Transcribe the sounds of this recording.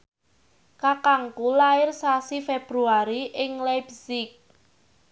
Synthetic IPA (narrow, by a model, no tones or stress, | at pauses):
kakaŋkulaɪrsasifeb̥ɾuaɾiʔɪŋlabsɪk̚